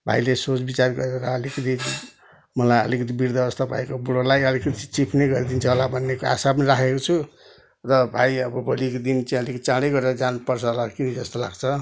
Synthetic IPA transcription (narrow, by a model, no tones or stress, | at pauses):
bʱa̰jlesot͡sbit͡sarɡʌ̰ɾeɾeɾʌːlikʌt̪ʰi | mʌlajʌ̰likʌt̪ʰibiɾd̪aʌst̪ʌbʱa̰jkobuɽolajʌlikʌt̪ʰit͡sipʰnejɡʌɾid̪int͡sʰʌɦolabʱʌnːekoa̰sap̬ʌniɾakʰekot͡sʰu | rʌbʱajʌbʌbʱʌlikod̪int͡saĩʌlikʌt̪ʰi̥t͡saɽejɡʌɾeɾʌd͡zanpʌrt͡sʰʌlakinid͡zʌst̪ola̰ɡt͡sʰʌ